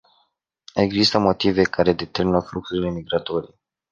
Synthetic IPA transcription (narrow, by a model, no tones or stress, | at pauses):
e̞ɡzist̪əmo̞t̪ive̞kaɾe̞d̪e̞t̪e̞rminəfluk̚suɾile̞miɡɾat̪o̞ɾie